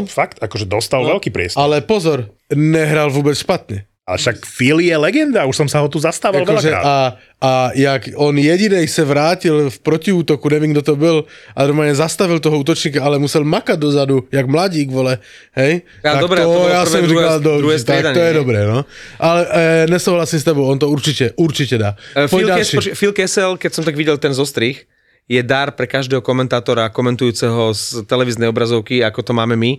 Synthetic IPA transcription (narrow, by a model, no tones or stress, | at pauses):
fakt̪akɔʒɛd̪ɔst̪alʋɛlkiːpɾɪɛ̰st̪alɛpɔzɔɾ | ɲɛɦɾalʋuːbɛt͡sʃpat̪ɲɛ | a̰ɛ̰ʃakfilijɛlɛɡɛnd̪auʃsɔmsaɦɔt̪uzast̪aʋaalˠʋɛɔʒɛa̰a | ʔajaɡɔnjɛɟinɛjsɛʋɾaːcilfpɾɔciuːt̪ɔkuɲɛʋɪɛːmɡd̪ɔt̪ɔbilanɔɾmaːlɲɛzast̪aʋilt̪ɔɦɔuːt̪ɔt͡ʃɲiːkaalɛmusɛlmakaɟ̚d̪ɔzad̪ujaɡmlaɟiːɡʋɔlɛ | ɦɛj | aad̪ɔkbɾɛɔjjasɛmʒikald̪ɔɾuɦɛst̪ɛad̪aɲt̪ɔjɛd̪ɔbɾɛːnɔʔalɛʔɲɛsuːɦlasiːmst̪ɛbɔʊɔnt̪ɔuɾt͡ʃicɛʔuɾt͡ʃicɛd̪aːfpɔlalʃifilkɛsɛlkɛcsɔmt̪aɡʋiɟɛlt̪ɛnzɔst̪ɾix | jɛd̪aɾpɾɛkaʒd̪ɛːɦɔkɔmɛnt̪aːt̪ɔɾakɔmɛnt̪ujuːt͡sɛɦɔst̪ɛlɛʋiznɛjɔbɾazɔʊkiakɔt̪ɔmaːmɛmi